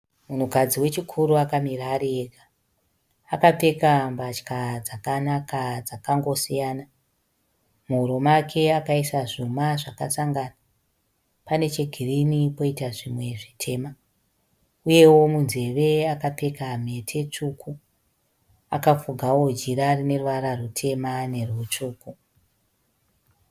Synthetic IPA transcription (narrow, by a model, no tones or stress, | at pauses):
mun̤ukad͡ziwe̞t͡ʃikʰuɾuakamiraːɾieɡaː | kape̞kambat͡ʃkad͡zakanakad͡zakaŋɡo̞sijaːna | muuɾomakʰe̞akaisaʐumaʐaka̰saŋɡaːna | pane̞t͡ʃe̞ɡʱirinipo̞itaʐimwe̞ʐitʰe̞ːma | uje̞wo̞munze̞ʋe̞akape̞kam̤e̞tʰe̞t͡ʂukʰu | akafuɡʱawo̞d͡ʒiɾarine̞ruʋaɾarutʰe̞mane̞rut͡ʂuːku